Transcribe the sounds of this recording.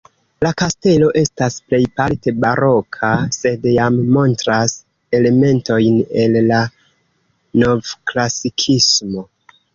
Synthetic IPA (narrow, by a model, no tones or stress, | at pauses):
lakaste̞lo̞ʔe̞stasple̞jpalte̞baɾo̞kʰase̞djamːo̞ntɾas | e̞le̞me̞nto̞jne̞lːa | novklasikʰismo̞